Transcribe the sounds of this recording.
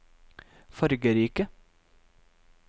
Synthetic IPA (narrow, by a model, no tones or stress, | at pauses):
fɔɾɡəɾiːkə